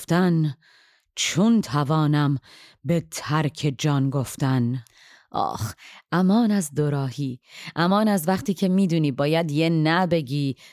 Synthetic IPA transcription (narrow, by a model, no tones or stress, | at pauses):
ft̪æn | t͡ʃʰont̪ʰævɒːnæm | bet̪ʰæɾkʰe̞d͡ʒɒːnɡoft̪æn | ʔɒ̰ːxʔæmɒːnæzd̪oɾɒːhiːʔæmɒːnæzvæχt̪ʰiːcʰe̞miːd̪uːniːbɒːjæd̪jenæbe̞ɡiː